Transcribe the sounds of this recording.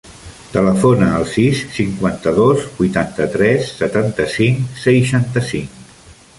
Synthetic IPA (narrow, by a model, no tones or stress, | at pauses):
t̪ələfonəːlˠsisːiŋkwant̪əðozbujt̪ant̪ət̪ɾɛsːət̪ant̪əsiŋsəjʃant̪əsiŋ